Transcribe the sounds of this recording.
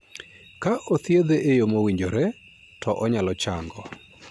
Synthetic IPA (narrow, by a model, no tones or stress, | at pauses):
kaʔot̪jed̪eʔejomowiɲd͡ʒoɾɛ | tɔʔɔɲalɔt͡ʃaŋɡɔ